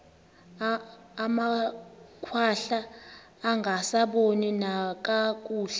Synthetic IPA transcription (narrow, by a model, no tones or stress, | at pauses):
ma | kʰwaɬaː | ŋɡʱasaɓoninak̬ʼak̬ʼuːɬɛ